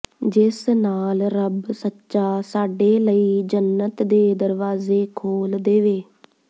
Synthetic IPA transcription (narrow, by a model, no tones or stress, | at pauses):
d͡ʒɪsnaːlɾəbsətːʃaːsaːɖeːləiːd͡ʒənːət̪d̪eːd̪əɾʋaːzeːkʰoːld̪eːʋeː